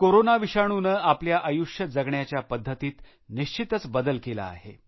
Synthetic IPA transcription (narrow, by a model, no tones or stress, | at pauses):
koɾonaʋiɕaɽ̃unəapljaʔəjuʂjəd͡zəɡɳjat͡ɕjapəd̪ʱːət̪iːt̪ | niɕt͡ɕit̪ət͡sbəd̪əlkela̰ːɦḛ